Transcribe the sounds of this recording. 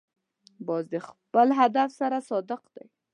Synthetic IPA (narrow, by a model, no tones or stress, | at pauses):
bɑzd̪əxpəlɦad̪afsaɾasɑd̪əqd̪aj